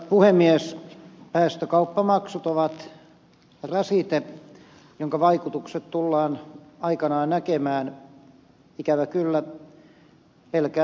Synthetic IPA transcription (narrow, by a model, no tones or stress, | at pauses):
puhemːiespæːst̪økɑupːɑmɑksut̪oʋɑt̪ | rɑsit̪e | joŋkɑʋɑikut̪ukset̪t̪ulːɑːnɑikɑnɑːnnækemæːn | ikæʋækylːæ | pelkæː